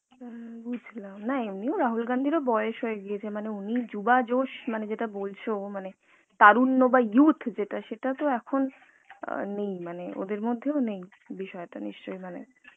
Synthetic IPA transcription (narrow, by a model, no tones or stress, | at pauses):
bud͡ʑʱlamnaemnioɾaɦulɡand̪ʱiɾobɔeoʃɦoeɡiet͡ɕʰemaneunid͡ʑubad͡ʑoʃmaned͡ʑeʈabolt͡ɕʰomane | t̪aɾunːobajut̪ʰd͡ʑeʈaʃeʈat̪oɛkʰon̰ | nejmaneo̰d̪eɾmod̪ʱːeonej | biʃɔeʈa̰niʃt͡ɕojmanḛ